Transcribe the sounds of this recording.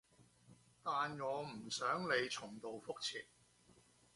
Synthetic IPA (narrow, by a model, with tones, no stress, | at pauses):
t̪aː˨nŋɔː˨˧m̩˨˩sœː˨˥ŋle˨˧jt͡sʰʊ˨˩ŋt̪o˨wfʊ˥k̚t͡sʰḭː˨t̚